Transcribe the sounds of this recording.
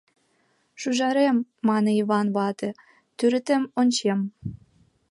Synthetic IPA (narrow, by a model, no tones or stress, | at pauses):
ʃuʒɑɾemːɑneiβɑnβɑt̪e | t̪yɾɘ̆t̪ĕmonʲt͡ɕem